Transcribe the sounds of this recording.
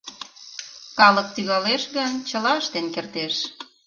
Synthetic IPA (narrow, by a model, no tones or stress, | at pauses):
kɑlək̚t̪yɣɑleʃɣənt͡ɕəlɑʃt̪enkert̪eʃ